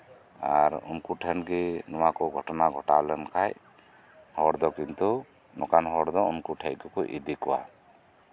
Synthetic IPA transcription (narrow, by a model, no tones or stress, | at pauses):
aɾṵnkuʈʰɛnɡɛnɔwakɔɡʱɔʈɔnaɡʱɔʈalɛnkʰaj | hɔɾd̪ɔkint̪u | nɔkanɦɔɾd̪ɔunkuʈʰɛjkɔkɔʔḭd̪ikɔwa̰